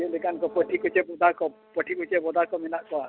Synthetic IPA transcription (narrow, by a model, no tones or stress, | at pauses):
ɛd̪ɛkankɔpəʈʰikɔt͡ʃɛbɔd̪ʱakɔ | pəʈʰikut͡ʃɛbɔd̪ʱakɔminaʔkɔa